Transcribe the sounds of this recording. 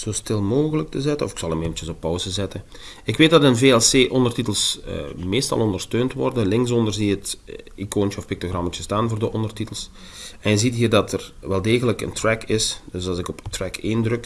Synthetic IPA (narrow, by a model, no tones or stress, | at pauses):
z̥oːstɪlˠmoːɣələk̚təzɛtənɔfɪ̥ksɑlˠəmeːvəntt͡ʃəsɔpːɔwzəzɛtə | ɪkʋeːt̚dɑtənveːɛlˠseːʔɔndərtitəlˠsmeːstɑ̰lˠɔndərstøːntʋɔ̰rdənlɪŋs̬ɔndərziətikoːnt͡ʃəɔfpɪk̚toɣrɑmət͡ʃəstaːnvoːrdəʔɔndərtitəlˠs | ɛnjəzitɦiːrdɑtʰərʋɛlˠdeːɣələkə̰ntrɛkʰɪsdøsɑzɪkɔptrɛkʰeːndrɵk